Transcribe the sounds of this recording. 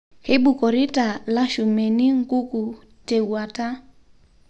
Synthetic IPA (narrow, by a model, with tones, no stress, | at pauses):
he˦ɓu˨kɔ˨ɾi˦ta˨la˦ʃu˨me˨ni˦ŋ˦ku˦ku˨ | te˨wa˨ta˦